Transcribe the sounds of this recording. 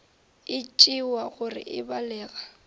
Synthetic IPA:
ɪt͡ʃʼiwaɣʊrɪ̰ʔɪbalɛːɣa

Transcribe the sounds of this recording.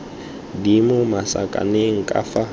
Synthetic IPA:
dimʊmasa̰kʼa̰neŋ̩kʼafa

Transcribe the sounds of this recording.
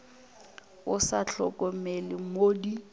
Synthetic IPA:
ʊsaɬʰɔkʼɔmɛlɪmoːdi

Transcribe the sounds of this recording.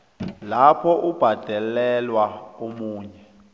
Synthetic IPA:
lapʰɔʔub̥ʱad̥ʱɛlɛlwaomuːɲɛ

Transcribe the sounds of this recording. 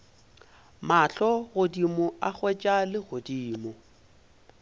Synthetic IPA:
maɬɔɣʊdimʊʔaχwɛt͡ʃʼalɪɣʊdiːmʊ

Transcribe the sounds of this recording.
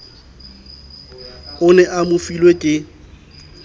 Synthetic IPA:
ʊnɛʔamʊfilwekʼɪ

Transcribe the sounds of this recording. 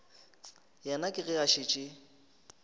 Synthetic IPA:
jɛnakʼɪɣɪaʃɪt͡ʃʼɪ

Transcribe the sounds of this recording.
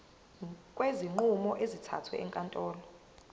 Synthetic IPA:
kʼweziŋ͡ǃumɔʔezitʰa̰tʰwɛ̰ɛŋkʼantʼɔːlɔ

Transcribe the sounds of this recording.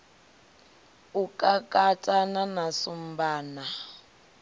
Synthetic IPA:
ukʼakʼatʼananasum̩baːna

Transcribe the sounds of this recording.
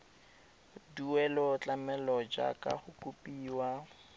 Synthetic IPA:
duwɛlɔt͡ɬʼamɛlɔd͡ʒa̰kʼa̰χʊkupiːwa

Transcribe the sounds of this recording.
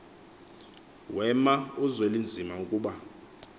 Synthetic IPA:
wɛmauzelind͡zʱimaukʼuːɓa

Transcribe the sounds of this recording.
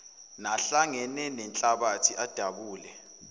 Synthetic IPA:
naɬaŋɛnɛnɛnt͡ɬʼaɓatʰiʔad̥ʱaɓuːlɛ

